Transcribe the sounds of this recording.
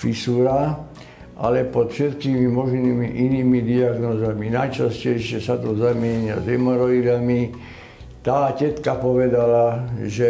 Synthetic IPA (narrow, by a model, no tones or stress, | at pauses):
fisuːɾa | ʔa̰lɛpɔt̪fʃɛt̪kiːmimɔʒniːmiʔiniːmid̪iaɡnɔːzaminajt͡ʃascɛjʃɪɛsat̪ɔzamɪɛɲa̰zɛmɔɾɔid̪ami | t̪aːcɛt̪kapɔʋɛd̪alaʒɛ